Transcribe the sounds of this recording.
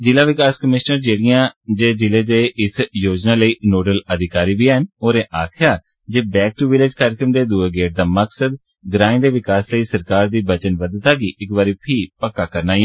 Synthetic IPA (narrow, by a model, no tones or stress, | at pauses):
d͡ʒɪlaːʋɪkaːskəmɪʃnəɾd͡ʒeːɽɪjãːd͡ʒeːd͡ʒɪleːd̪eːʔɪsjoːd͡ʒnaːləiːnoːɖələd̪ɪkaːɾiːbiːɛɦənoːɾẽːʔaːkʰɪjaː | d͡ʒeːbɛːk̚ʈuːʋɪleːd͡ʒkaːɾɪkɾəmd̪eːd̪uːeːɡeːʈ̚d̪aːməksəd̪ | ɡɾãːĩːd̪eːʋɪkaːsləiːsəɾkaːɾd̪iːbət͡ʃənʋəd̪t̪aːɡiːʔɪkʋaːɾiːpʰiːpəkːaːkəɾnaː